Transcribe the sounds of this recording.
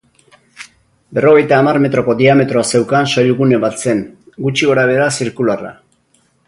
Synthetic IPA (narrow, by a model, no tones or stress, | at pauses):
be̞ro̞ɣ̞e̞jt̪aːmarme̞t̪ɾo̞ko̞d̪iame̞t̪ɾoase̞wkansajuɣune̞βat̪se̞n | ɡut͡ʃiɣo̞ɾaβ̞e̞ɾasiɾkulara̰